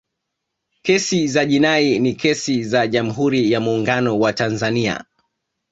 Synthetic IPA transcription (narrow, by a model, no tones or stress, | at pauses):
kɛsizaʄinainikɛsizaʄam̩ɦuɾijamuːŋɡanɔwatanzania̰